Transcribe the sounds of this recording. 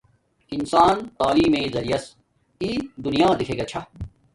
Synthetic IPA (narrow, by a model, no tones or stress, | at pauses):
insaːnt̪aːliːmeːzɐɾijɐs | iːd̪unijãːd̪ikʰeːɡɐt͡ɕʰɐ